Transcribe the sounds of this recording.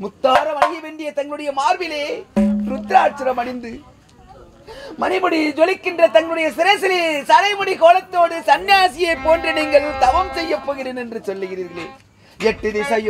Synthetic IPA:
mʊt̪ːaːɾɐmɐɽɪjɐʋeːɳɖɪjɐt̪ɐŋɡɐɭɯɽɐjɐmaːɾʋɪleːɾʊt̪ːɾaːʈ̚t͡ʃːɪɾɐmɐɽɪnd̪ɯ | mɐnɪmɔɽid͡ʒɔlɪkːɪndrɐt̪ɐŋɡɐɭɯɽɐjɐsɪɾɐɪsɪlisɐɾɐɪmɔɽikoːlɐt̪ːoːɽɯsɐnjaːsɪjɐɪpːoːndrɯniːŋɡɐɭt̪ɐʋɐmsɛjːɐpːoːɣɪɾeːnɛndrɯsɔlːɯɣɪɾiːɣɐleː | ɛʈːɯðɪsɐjɯ

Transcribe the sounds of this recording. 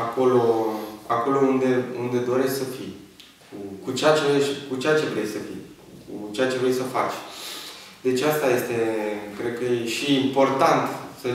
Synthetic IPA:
ako̞lo̞ako̞lo̞und̪e̞und̪e̞d̪o̞ɾe̞ssəfi | kʰukut͡ʃeat͡ʃeʃkut͡ʃeat͡ʃe̞vɾejsəfḭj | kut͡ʃejat͡ʃe̞vɾe̞jsəfa̰t͡ʃʲ | d̪e̞t͡ʃʲast̪aje̞st̪e̞kɾe̞d̪̚kəjeʃiːmpo̞rt̪ant̪sə

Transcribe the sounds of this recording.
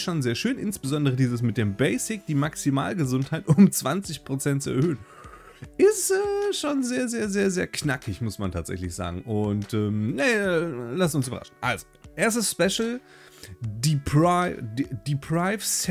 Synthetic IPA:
ʃoːnzeːɐʃøːnʔɪnsb̥əzɔndəʁ̞ədiːzəs̬mɪt̚d̥eːmbɛɪsɪk̚d̥iːmaksima̰ːlɡəzʊnthaɪtʔʊmt͡sv̥ant͡sɪçpʁ̥ot͡sɛntt͡suɛɐhøːən | ʔɪstɛːʃoːnzeːɐzeːɐzeːɐzeːɐkʰnakʰɪçmʊsmantʰaːtz̥ɛ̰çlɪçz̥a̰ːɡŋ̩ʔʊntʔɛːmnalastʊns̬yːbɐ̰ʁa̰ʃn̩ʔa̰lzoʔeːɐs̬təsspɛʃl̩ | dip | d̥ipʰʁ̥aɪfs

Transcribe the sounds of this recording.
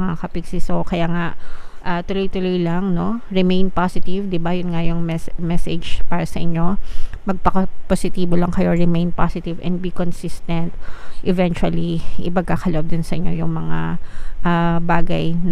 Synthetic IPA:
ŋakɐpɪɡsɪsokɐjaːŋaʔʔat̪ʊlojt̪ʊlojlɐŋno̞ɹɪmejnpasɪt̪ɪvd̪ɪbajʊnŋajʊŋmɛsmɛsɛd͡ʒpaːɾɐsɐʔɪɲːo̞mɐɡ̚pɐkɐposɪt̪iːbolɐŋkɐjo̞ɹɪmejnpasɪt̪ɪvʔɛ̰nd̪̚bikonsist̪ɛnt̪ʔɛvɛnt͡ʃʊɐliʔɪpɐɡ̚kaːkɐlʊʔob̚d̪ɪnsɐʔɪɲːo̞jʊŋmɐŋa̰ʔabaːɡɐjn

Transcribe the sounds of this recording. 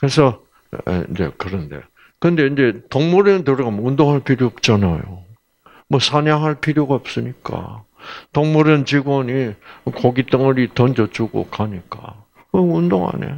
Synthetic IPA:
kɯɾesʰʌ̰ | ḭnd͡ʑekɯɾʌnde̞̰ | kɯnde̞ind͡ʑe̞tʌŋmuɾɯntɯɾiɡamoundoŋɦaɭpʰiɾjoʌp̚t͡ɕ͈anajo̰ | mwʌsʰaɲaŋɦaɭpʰiɾjoɡaʌp̚s͈ɯɲik͈a̰ | tʌŋmuɾɯnt͡ɕiɡwʌɲikoɡit͈ʌŋɯɾitʌnd͡ʑʌt͡ɕuɡo̰kaɲik͈a̰ | ʌundoŋa̰ne̞̰

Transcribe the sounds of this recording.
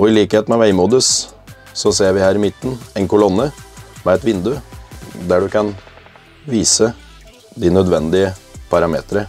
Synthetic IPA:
ɔɪliːkheːt̪mɛʋæɪmuːd̪əs | sɔseːɾʋɪhæːɾɪmɪt̪ːn̩ɛɪnkʊlɔnːəmɛɛt̪ʋɪnd̪ʉd̪æːɖʉkʰɑn | ʋiːsə | d̪ɪnœd̪ʋɛnd̪ɪəpʰɑɾɑmḛːt̪ɾə

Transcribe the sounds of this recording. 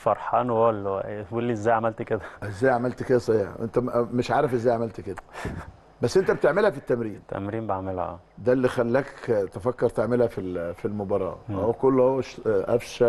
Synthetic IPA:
fɑɾˤħɑːnwælːæʔulːiezːæːjʕamælt̪ked̪æʔezːæːjʕamælt̪ked̪æsˤɑħiːħʔḛnt̪æmeʃʕaːɾefʔezːæːjʕamælt̪ked̪æ | bæsːʔent̪æbet̪eʕmelhæfit̪ːæmɾiːnt̪ːæ̰mɾiːmbeʕmelhæ̰ʔæ̰ːd̪ælːiːxælːækt̪efækːɑɾˤt̪eʕmelhæfifilmobɑɾˤɑ̰ːhowːækolːhowːæʃʔæfʃæ

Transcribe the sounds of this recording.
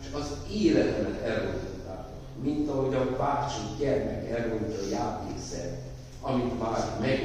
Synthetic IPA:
ʃɒzeːlɛt̪ɛmɛt̪ɛrːout̪ːa̰ːt | mint̪ɒɦo̞ɟɒbaːt͡ʃiɟɛrmɛkɛrːolt̪ɒjaːt̪ḛːsɛ̰ | ɒmit̪maːrmɛɡ

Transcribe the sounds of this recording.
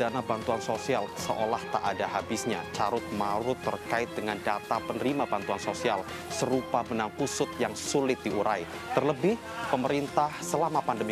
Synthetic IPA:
anabant̪uansosialsəʔolaht̪a̰ʔːdaɦabɪsɲat͡ʃaɾʊt̪̚maɾʊt̪ːərkaɪt̪̚d̥əŋandat̪apənəɾimabant̪uansosial | səɾupamənaŋkusʊt̪̚jaŋsulɪt̪̚diuɾai | t̪ərləbɪh | pəməɾint̪ahsəlamapandəmi

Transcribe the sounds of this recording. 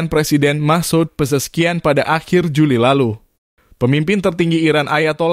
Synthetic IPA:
npɾesidɛnmahsud̪̚pəs̬əsə̥kianpadaʔaxɪrd͡ʒulilalu | pəmimpɪnt̪ərt̪iŋɡiːɾanʔajat̪ol

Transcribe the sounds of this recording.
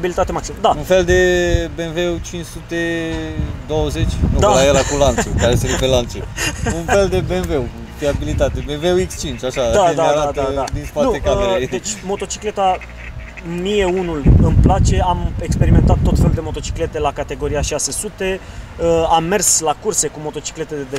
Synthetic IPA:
bilit̪at̪e̞maksiməd̪aunfe̞ld̪e̞benveut͡ʃint͡ʃsut̪e̞ | d̪o̞wəze̞t͡ʃʲnud̪alajelakulant̪ukaɾeest̪eɾepelant̪suunfe̞ld̪e̞benvew | fiabilit̪at̪ebenveuekst͡ʃint͡ʃaʃad̪aed̪aeaaɾad̪ad̪ad̪inspat̪nuekamed̪et͡ʃʲmo̞t̪o̞t͡ʃi̥kle̞t̪a | mije̞unulɨmplat͡ʃe̞amekspe̞ɾime̞nt̪at̪ːo̞t̪fe̞lud̪e̞mo̞t̪o̞t͡ʃi̥kle̞t̪e̞lakat̪e̞ɡo̞ɾiaʃase̞sut̪e̞ | əamːe̞rslakurse̞kumo̞t̪o̞t͡ʃi̥kle̞t̪ed̪d̪e

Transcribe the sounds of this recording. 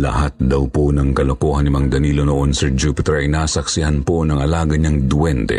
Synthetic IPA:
lɐ̰hat̪̚d̪ɐwponɐŋkɐlɐkoːɦɐnɪmɐŋd̪ɐniːlonoʔonsɛd͡ʒupɪt̪ɛɾʔɐjnaːsɐksɪhanponɐŋɐlaːɡɐɲɐŋd̪wɛnt̪ɛ̰

